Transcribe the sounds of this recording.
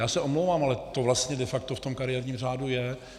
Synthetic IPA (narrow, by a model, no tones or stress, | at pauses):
jaːsɛʔomlowvaːmalɛt̪ovlast̪ɲɛdɛfak̚t̪oft̪o̞mkaɾɪjɛːɾɲiːmr̝aːdujɛ